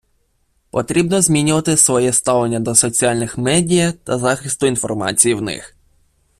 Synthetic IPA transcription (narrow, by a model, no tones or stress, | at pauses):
pɔt̪ɾʲibnɔzmʲinʲʊʋɐt̪ɪsʋɔjɛst̪ɑʋlˠenʲːɐd̪ɔsɔt͡sʲiɑlʲnɪxmɛdʲijt̪ɐzɑxɪst̪ʊinfɔ̰rmɑ̰t͡sʲijiwnɪ̰x